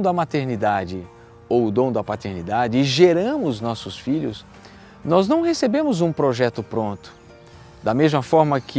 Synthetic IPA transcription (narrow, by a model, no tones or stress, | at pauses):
d̪ɐmat̪eɾnid̪ad͡ʒɪ | owʊd̪õw̃d̪ɐpat̪eɾnid̪ad͡ʒɪːʒeɾɐ̃mʊznɔsʊsfiʎʊ̰s | nɔznɐ̃w̃hesebẽmʊzũpɾoʒɛt̪ʊpɾõnt̪ʊ̥ | d̪ɐmezmɐfɔɾmɐkʰɪ